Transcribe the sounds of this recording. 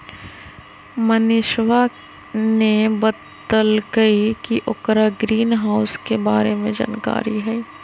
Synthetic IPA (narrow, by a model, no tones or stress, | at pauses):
mənɪʃwa | nebət̪ː | əlkɐikiʔʊkɾaɡɾiːnɦaːʊskebaːɾemẽd͡ʒa̰ːnka̰ːɾiɦɛː